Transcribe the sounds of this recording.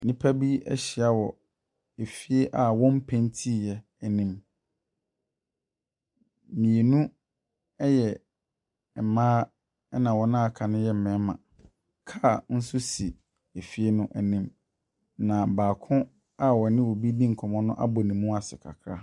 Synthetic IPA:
nĩ˦pʰa˦bi˦ɛ̰˦ɕɪ˨a˦wɔ˨ | e˨fi˦e˦ʔa˨wɔ̃˦m̩˦pʰɛ̃˦ntʰi˦˨jɛ˦ | æ˨nĩ˦m | mĩ˨e˨nũ˦ | ɛ˦jɛ˨ | mãː˦ | ɛ˦nã˨wɔ˨nã˦a˨kʰa˨nʊ̃˦jɛ˦m̩˨mɛ̃˨˦mã̰˨ | kʰa˦˨n̩˦sʊ˦si˨ | e˨fi˦e˦nʊ̃˦ʔæ˨nĩ˦m | nã˨baː˨kʰʊ̃˦ | a˦wɔ˨nɪ̃˦wo˨bi˦dĩ˦ŋ̩˨kʰɔ˨mɔ̃˦nʊ̃˦ʔa̰˦bɔ˨nĩ˨mːũ˦a˨sɪ̰˨kʰa̰˨kʰɾa˦

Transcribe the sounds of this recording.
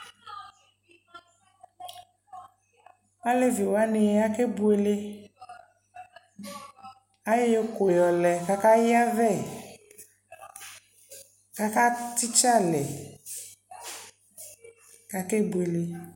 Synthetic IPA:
wa˦le˦vi˨wo˨a˦nɛ˨ja˦ke˦bu˦e˨le˦ | a˦je˦je˦ko˨jɔ˨lɛ˨ka˦ka˦ji˦a˦vɛ˦˨ | ka˦ka˦t̪i˦t͡ʃa˦lɛ˨ | ka˨ke˦bu˨e˨le˦

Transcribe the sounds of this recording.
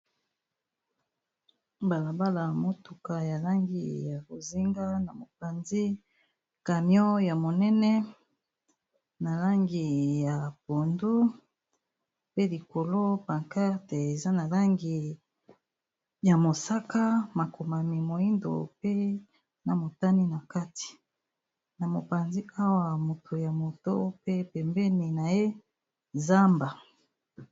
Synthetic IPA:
ba˨la˨ba˦la˨mo˦tu˨ka˨ja˨la˦ŋɡḭ˨ja˨ko˨zi˦ŋɡa˦na˨mo˨pa˨nzi˦ | ka˨mjɔ˦ja˨mo˨nɛ˦nɛ˦ | na˨la˦ŋɡi˨ja˨po˨ndu˦ | pe˦li˨ko˨lo˦pa˨ŋka˦te˨e˨za˦na˨la˦ŋɡi˨ | ja˨mo˨sa˦ka˦ma˨ko˨ma˨mi˨mo˨ji˦ndo̰˨pe˦ | na˨mo˨ta˦ni˦na˨ka˦ti̥˨ | na˨mo˨pa˨nzi˦a˦wa˨mo˨tʰo˨ja˨mo˨to˦pe˦pɛ˨mbɛ˦ni˨na˨je˦ | za˦mba˨

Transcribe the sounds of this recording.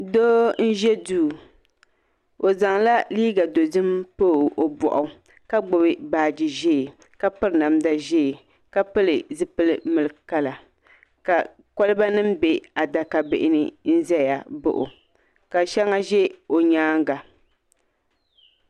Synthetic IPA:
doː˦n̩˦ʒɛ˦duː˦˨ | o˨za˨ŋla˦liː˦ɡa˨do˨zɨ˦mpoː˦˨o˨bɔ̰˨ʔʊ˨ | ka˦ɡ͡bʊ˨bɨ˦baː˨d͡ʒi˨ʒe˦˨ | ka˦pɨ˦ɾna˨mda˦ʒɛ˦˨ | ka˨pɨ˦lɨ˨zɨ˦pɨ˦lɨ˦mɨ˨lɨ˨ka˦la˨ | ka˨ | kɔ˦lɨ˦ba˦nɨ˦m̩be˨a˨da˨ka˨bɪ̰˨ʔɪ˦nɨ˦n̩˦zɛ˦ja˨bo̰˦ʔʊ̰˨ | ka˨ʃɛ˦ŋa˦ʒɛ˦o˨ɲaː˦ŋ˦ɡa˨

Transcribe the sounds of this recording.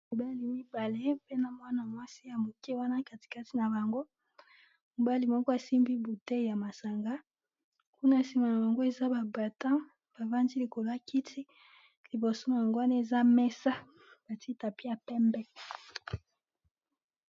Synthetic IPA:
mi˨ba˦li˨mi˦ba˨le˦pe˦na˨mwa˦na˨mwa˦si˦ja˨mo˨kɛ˦wa˦na˦ka˨ti̥˨ka˦ti˨na˨ba˨ŋɡo˦ | mo˨ba˦li˨mɔ˦kɔ˦a˨si˦mbi˦bu˨tɛ˦˨ja˨ma˨sa˨ŋɡa˦ | ku˦na˦˨si˦ma˨na˨ba˨ŋɡo˦e˨za˦ba˨ba˨tã˦ | b̥a˨va˦ndi˦li˨ko˨la˦ki˦tʰi˦ | li˨bo˨so˦na˨ŋɡwa˦ni˦e˨za˦mɛ˦sa˦ | b̥a˨ti˦ta˨pi˦a˨pɛ˦mbɛ˦

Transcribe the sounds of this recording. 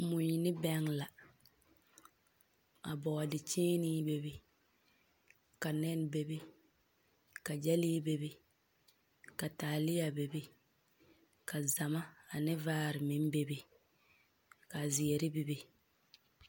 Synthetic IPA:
mʊ˨ɲi˨nɪ˦bɛ˦ŋla˨ | a̰˨bɔ˨a˨dɪ˨t͡ʃeː˦niː˦be˦bi˦ | ka˨nɛ˦n˦be˨bi˦ | ka˨d͡ʒɛ˦liː˦be˦bi˦ | ka˨taː˨lɪ˦ja˨be˨bi˦ | ka˨za˨ma˦a˨nɪ˦vaː˦ɾɪ˨mɪ˦n˦be˦bi˦ | ka˨zɪ˨ɛ˨ɾɪ˦bi˨bi˦

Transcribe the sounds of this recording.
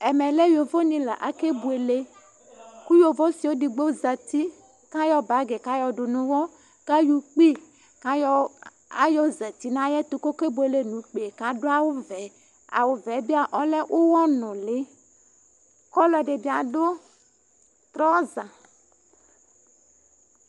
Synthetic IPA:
ɛ˨me˨le˦jo˨vo˦ɲĩ˦lɛ˨ʔa˨ke˦bu˨e˨le˦ | ku˦jo˨vɔ˦si˨wo˦di˨ɡ͡bo˦za˨t̪i˦ | kã˦jɔ˦ba˨˦ɡe˨kã˦jɔ˨ɖo˨nũ˦wɔ˦ | ɡ̥a˦ju˦k͡pi˦ | kã˦jɔ˦ | a̰˦jɔ˦zɛ˨t̪i˦nã˦jɛ˦t̪o˨ko˦ke˦bu˨e˨le˦nũ˨˦k͡pe˨e˨kã˨ɖo˦a˨wo˦vɛ˨˦ | a̰˨wo˨vɛ˨˦bi˦a˨ʔɔ˦lɛ˦ʔo˦wɔ˦nɔ̃˨le˦ | kɔ˦lɔ˦ɖe˨bi˦a˨ɖo˦ | t̪ɾɔ˦zã˨

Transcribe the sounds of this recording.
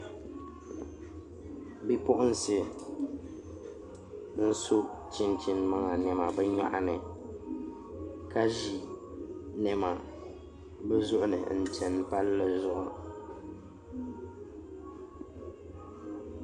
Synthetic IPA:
bi˦pʊ˦ʔʊ˦n˨sɪ˨ | n̩˦sʊ˦t͡ʃi˦nt͡ʃɪ˨nma˦ŋa˨nɛ˨ma˨bɛ˦ɲa̰˦ʔa˦nɨ˨ | ka˦ʒi˨ | nɛ˨ma˨ | bɛ˦zʊ˦ʔʊ˦nɨ̰˨n̩˨t͡ʃɛ˨n˦pa˦llɨ˦zʊ˦˨ʔʊ˨

